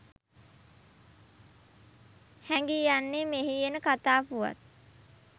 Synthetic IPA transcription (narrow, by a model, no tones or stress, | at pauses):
hæŋɡijanːemeɦijenəkat̪aːpuʋa̰t̪̚